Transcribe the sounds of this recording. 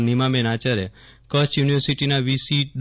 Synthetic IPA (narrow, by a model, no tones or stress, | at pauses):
nimãmɛ̃nat͡ʃaɾekət͡ʃjuniʋəɾsiʈinaʋisiʈ̚ɗ